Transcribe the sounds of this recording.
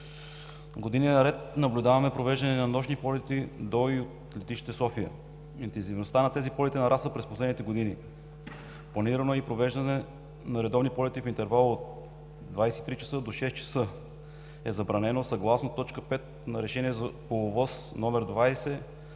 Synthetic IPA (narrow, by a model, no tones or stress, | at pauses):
ɡod̪ininɐɾɛt̪nɐblʲud̪avɐmɛpɾovɛʒd̪ɐnɛnɐnɔʃnipɔlɛt̪id̪oiot̪ | lɛt̪iʃit̪ɛsɔfiə̰ | int̪ɛnzivnost̪anɐt̪ɛzipɔlɛt̪ɛnɐɾʔasvəpɾɛsposlɛd̪nit̪ɛɡod̪ini | plˠɐniɾɐnoipɾovɛʒd̪ɐnɛ | nɐɾɛd̪ɔvnipɔlɛt̪ifint̪ɛɾvalˠot̪̚ | d̪vajsɛit̪ɾit͡ʃɐ̥sɤd̪oʃɛs̚t͡ʃɐ̥sɤ | ɛzɐbɾɐnɛnosɐɡlˠasnot̪ːɔt͡ʃkəpɛt̪̚nɐɾɛʃɛniɛzɐpolˠovɔsnɔmɛɾd̪vajsɛ